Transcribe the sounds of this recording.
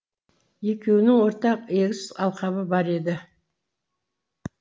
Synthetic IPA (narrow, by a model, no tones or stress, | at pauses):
je̞kʲe̞wnɪŋwo̞ɾt̪ɑqe̞kʲzʏzɑlˠqɑβəbɑɾe̞d̪ɪ